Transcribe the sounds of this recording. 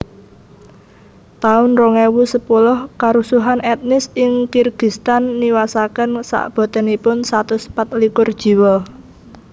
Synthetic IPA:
t̪aʊnroŋɛwusəpulʊhkaɾusuɦanɛt̪̚nɪsɪŋkirɡ̥i̤st̪anːiwasakənsa̰ʔb̥ɔ̤t̪ɛnipʊnsat̪uspat̪likʊrd̥ʒ̥i̤wɔ

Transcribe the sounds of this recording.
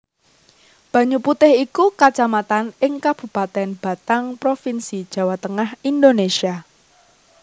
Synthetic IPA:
b̥a̤ɲuput̪ɪhikukat͡ʃamat̪anɪŋkab̥ṳpat̪ɛnb̥a̤t̪aŋpɾofinsid̥ʒ̥ä̤wat̪əŋahind̪onesia

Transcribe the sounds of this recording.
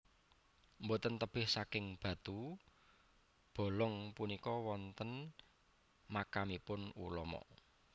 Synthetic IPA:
mbot̪ənt̪əb̥ɪhsakɪŋb̥ä̤t̪u | b̥o̤lɔŋpunikɔwɔnt̪ən | makamipʊnṵlɔmɔ̰

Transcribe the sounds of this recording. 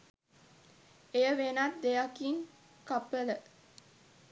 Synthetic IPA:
ejəʋenat̪̚d̪ejakiŋ | kapːələ

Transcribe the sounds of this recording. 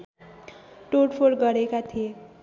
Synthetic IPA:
ʈoɽpʰoɽɡʌɾekat̪ʰije

